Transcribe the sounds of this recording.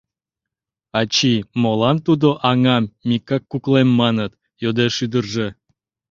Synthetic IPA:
ɑt͡ɕimolɑmt̪ud̪oʔɑŋɑmːʲikːɑkːuklemːɑnət̪ | jod̪eʃyd̪ərʒə

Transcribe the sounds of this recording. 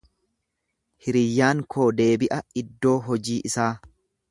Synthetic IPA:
hɪɾɪjːaːŋkʰo̞ːd̪e̞ːbɪʔɐɪd̪ːo̞ːɦɔd͡ʒiːʔɪsaː

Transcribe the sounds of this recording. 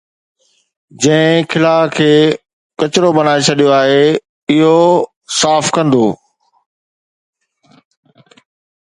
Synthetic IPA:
d͡ʑɐ̃ɦɪ̃kʰɪlaːkʰeː | kɐt͡ɕɪɾobɐnaːet͡ɕʰɐɗijoaːɦe | ɪɦo | saːfkɐ̃nd̪oː

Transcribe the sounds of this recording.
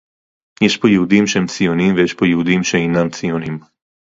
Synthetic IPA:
jɛʃpɔjɛud̪imʃɛmt͡ssijonimvɛjɛʃpɔjɛwd̪imʃɛinamt̪t͡sionim

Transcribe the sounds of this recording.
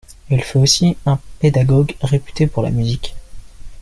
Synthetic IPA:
ɛlfɛosiɛ̃ped̪aɡɔɡʁepy̥t̪epuʁla̰myzik

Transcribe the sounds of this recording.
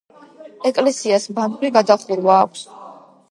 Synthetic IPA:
ɛkʼlɛsiasband̪ʼuɾiɡad̪aχilvaːkʷʰs

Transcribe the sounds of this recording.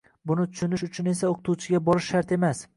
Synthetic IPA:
bʊnɪt̪ʰʊ̥ʃʊnɪʃʊt͡ʃʰʊne̞s̬aoqʰɨ̥t̪ʰut͡ʃʰɪɡʲabɒɾɪʃːaɾt̪ʰe̞mas

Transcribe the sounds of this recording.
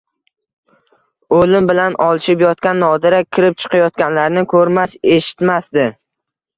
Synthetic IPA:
olɪmbɪlanɒlˠɪʃɪpjɒt̪̚kʲanːɒd̪ɪɾakʲʰːɪɾɪp̚t͡ʃʰɨ̥qʰɑjɒt̪̚kʲanlaɾnɪkʰɵɾmaʃeʃɪ̥t̪masd̪ɪ

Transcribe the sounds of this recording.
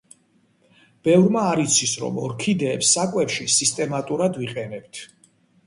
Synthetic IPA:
b̥ɛvɾmaːɾit̪sʰisɾɔ̰mɔɾkʰid̪ɛːpsːakʼwɛpʃisist̪ʼɛmat̪ʼuɾad̪viqʼɛnɛb̥̚t̪ʰ

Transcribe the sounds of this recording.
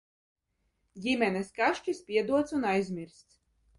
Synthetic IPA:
jʲimʲɛnɛskaʃt͡ʃispʲiɛd̪uɔt̪sunajzʲmʲiɾst̪s

